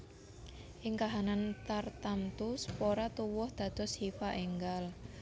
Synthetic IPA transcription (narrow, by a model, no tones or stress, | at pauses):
ʔɪŋkaɦanant̪art̪amt̪uspoɾat̪uwɔhd̪̥ä̤d̪̥ɔ̤shifaʔeŋɡal